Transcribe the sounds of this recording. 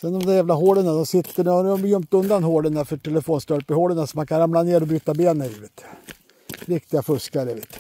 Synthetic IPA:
sɛnd̪ɔmd̪ɛjæːvlaɦoːɖənad̪ɔmsɪt̪ːəɳɔmjœmt̪ɵnd̪anɦoːɖənafœʈʰɛləfoːnst̪œɾpəhoːɖənasɔmankʰanɾamlaneːɾɔbɾyːt̪abeːnəɾiːvet̪ | ɾɪkt̪ɪɡafɵskaɾəvḛːt̪

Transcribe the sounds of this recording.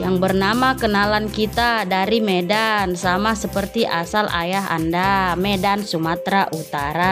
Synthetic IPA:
jaŋbərnamakənalankit̪adaɾimedansamasəpərt̪iʔasala̰jaɦa̰ndamedansumat̪ɾaʔut̪aɾa

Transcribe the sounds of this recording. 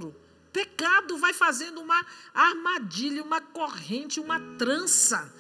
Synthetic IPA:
ɾʊ | pekad̪ʊvajfazẽnd̪ʊũmɐaɾmad͡ʒiʎɐũmɐkohẽnt͡ʃɪũmɐt̪ɾɐ̃sɐ

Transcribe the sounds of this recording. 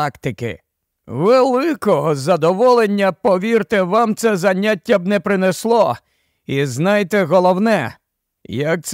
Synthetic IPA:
kt̪ɪkɪ̰ | ʋelˠɪkɔɦɔzɐd̪ɔʋɔlˠenʲːɐpɔʋʲirt̪ɪʋɑmt̪sɛzɐnʲatʲːɐb̚nɛpɾɪneslˠɔ | iznɑjt̪ɛɦɔlˠɔwnɛ | jɐk̚t̪s

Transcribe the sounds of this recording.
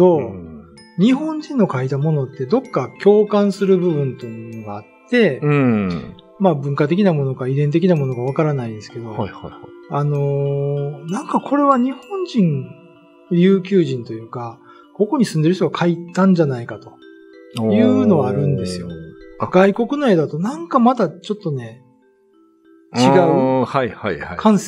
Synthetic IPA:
o̞ | ɲ̟iɦõ̞ɲ̟d͡ʑĩnːo̞kait̪amo̞no̞t̪ːe̞d̪o̞kːakʲo̞ːkãɰ̃sɨɾɯ̟bɯ̟βɯ̟̃nt̪omnoɡaːt̪ːe̞ | maːbɯ̟̃ŋkat̪e̞k̬ʲinamo̞no̞kaid̪ẽ̞nt̪e̞kʲinamo̞no̞ɡaβ̞akaɾanaĩd̪esɨ̥ke̞d̪o̞ | ano̞ | nãŋkakʰo̞ɾe̞βaɲ̟ihõ̞ɲ̟d͡ʑĩŋ | ɾʲjɯ̟ːkʲɨːʑĩnt̪o̞jɯ̟ːka | ko̞ko̞ɲ̟isɨ̃nd̪e̞ɾɯç̬t̪oɡakʰait̪ãɲ̟d͡ʑanaikat̪o̞̥ | jɯ̟ːno̞ɡaːɾɯ̟̃nd̪e̞sɨjo̞ɡ̥aiko̞kɯ̟no̞e̞ːd̪at̪o̞nãŋkamat̪at͡ɕo̞t̪ːo̞ne̞ | t͡ɕiɡaɯjhakʰãɰ̃s

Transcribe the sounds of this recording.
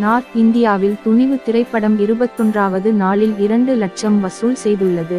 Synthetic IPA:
naːʈɪnd̪ɪjaːʋɪlt̪ʊɳɪʋɯt̪ɪrɐɪpːɐɽɐmɪɾɯbɐt̪ːɔndraːʋɐðɯnaːɭɪlɪɾɐɳɖɯlɐʈ̚t͡ʃɐmʋɐsuːlsɛjðɯɭːɐðɯ

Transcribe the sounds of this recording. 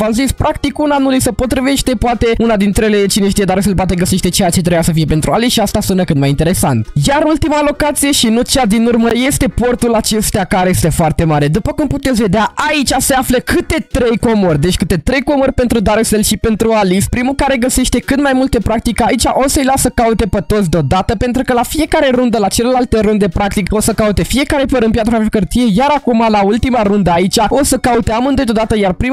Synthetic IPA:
vamzispɾʔakt̪ikunanulisəpo̞t̪ɾive̞ʃt̪e̞poat̪e̞unad̪int̪ɾele̞t͡ʃineʃt̪ijed̪aɾselp̬wat̪̬e̞ɡəse̞ʃt̪e̞t͡ʃejat͡ʃe̞t̪ɾejasəfije̞pe̞nt̪ɾualisʃiast̪asunəkɨt̪majint̪e̞ɾe̞sant̪jaɾult̪imalo̞kat̪sije̞ʃinut͡ʃad̪inurməje̞st̪e̞po̞rt̪ulat͡ʃe̞st̪eakaɾejest̪e̞foart̪e̞maɾe̞d̪upəkumput̪et̪sʲve̞d̪eaʔait͡ʃase̞afləkɨt̪e̞t̪ɾe̞jko̞morʲd̪et͡ʃʲkɨt̪e̞t̪ɾe̞jko̞morʲpe̞nt̪ɾud̪aɾeselʃipe̞nt̪ɾualispɾimulkaɾe̞ɡəse̞ʃt̪e̞kɨt̪majmult̪e̞pɾak̚t̪ikait͡ʃaʔo̞səjlasəkaut̪e̞pət̪ot̪sʲd̪eo̞d̪at̪əpe̞nt̪ɾukəlafije̞kaɾe̞ɾund̪əlat͡ʃe̞lelalt̪e̞ɾund̪e̞pɾak̚t̪iko̞səkaut̪e̞fie̞kaɾe̞pəɾɨnpjat̪ɾofaffkərt̪ije̞jaɾakumalault̪imaɾund̪əait͡ʃʲao̞səkaut̪eamɨnd̪ojd̪od̪at̪əjarpɾim

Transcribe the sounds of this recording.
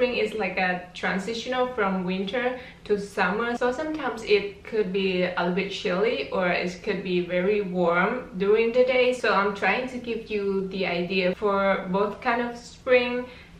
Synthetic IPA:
ɹɪ̃ŋɪslaɪkətʰɹãnsɪʃənəlfɹɔ̃mwɪ̃ntʰə | tʰusaməsosãmtʰãɪ̃msɪt̚kʰud̚biəlbɪt̚ʃɪliʔɔɹɪ̰t̚kʰud̚bivɛɹiwɔɹmduɹɪ̃ŋd̪ədesoãɪ̃mtʰɹajɪ̃ŋtuɡivjudiaɪdiəfɔɹboθkʰãɪ̃ndɔfspɹɪ̃ŋ

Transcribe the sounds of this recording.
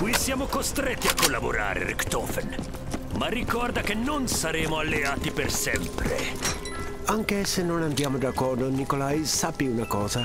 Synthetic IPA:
kwisjaːmokost̪ɾɛt̪ːiakːolːabo̰ɾa̰ːɾḛɾɛ̰kt̪ɔfɛn | marːikɔrd̪akenːonsaɾeːmoalːeaːt̪ipersɛmpɾḛ | aŋkesenonand̪jaːmod̪akːɔrd̪onikolajsapiunakɔːza

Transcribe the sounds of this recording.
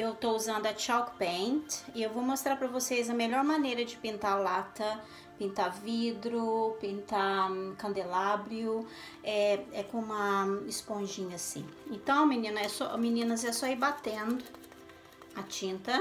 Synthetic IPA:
ewt̪ouzɐ̃nd̪ʊɐt͡ʃawkpẽnt̪ɪewvowmost̪ɾaɾpɾɐvosejzɐmeʎɔɾmanejɾɐd͡ʒɪpĩnt̪alat̪ɐ | pĩnt̪avid̪ɾʊpĩnt̪akɐ̃nd̪elabɾiʊ | ɛɛkõũmɐɪspõʒĩɲɐsĩẽnt̪ɐ̃w̃ɐminĩnʊɛsɔminĩnɐzɛsɔibat̪ẽnd̪ʊ | at͡ʃĩnt̪ɐ

